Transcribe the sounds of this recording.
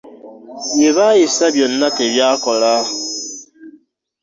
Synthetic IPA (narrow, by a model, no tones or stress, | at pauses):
jeβajisaβjonːakeβjaːkola